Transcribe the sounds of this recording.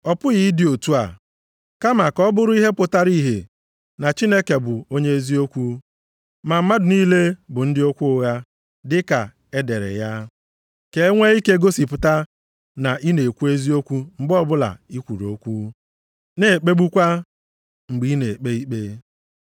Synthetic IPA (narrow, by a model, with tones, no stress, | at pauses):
ɔ˨pʊ˦ɣi˨˦dɪ˨o˨tu˦a̰˨ | ka˦ma˨kɔ˦bʊ˦ɾʊ˦i˦ɦe˦pʊ˨ta˦ɾi˦ɦḛ˨ | na˨t͡ʃi˦ne˦ke˨bʊ˨o˦ɲe˦e˦zi˦o˦kʷu˦ | ma˨m̩˦ma˦dʊ˨niː˦le˦bʊ˨n̩˦dɪ˦o˦kʷu˦ʊ˦ɣa˦ | dɪ˦ka˨ | e˦de˨ɾḛ˨ja˦ | ke˨e˦ŋʷe˦i˦ke˦ɡo˦si˨pʊ˨ta˦ | na˨ʔi˦ne˨kʷu˦e˦zi˦o˦kʷu˦m̩˨bɔ˦bʊ˦la̰˨i˦kʷu˨ɾo̰˦kʷu˦ | ne˦˨e˨k͡pe˦ɡ͡bu˦kʷa˦ | ŋ͡m̩˨ɡ͡bi˨˦ne˨k͡pe˦i˦k͡pe˦